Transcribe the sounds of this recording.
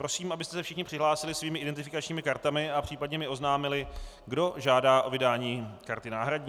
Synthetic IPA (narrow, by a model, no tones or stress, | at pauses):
pɾo̞siːmʔabɪst̪ɛsɛfʃɪxɲɪpr̥ɪɦlaːsɪlɪsviːmɪʔɪdɛnt̪ɪfɪkat͡ʃɲiːmɪkaɾt̪amɪapr̝̥iːpadɲɛmɪo̞znaːmɪlɪ | ɡdo̞ʒaːdaːʔo̞vɪdaːɲiːkaɾt̪ɪnaːɦɾadɲː